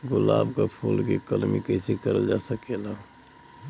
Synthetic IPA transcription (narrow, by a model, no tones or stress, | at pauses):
ɡʊla̰ːbkapʰuːlkekəlmḭkəɪsekəɾəld͡ʒaːsəkela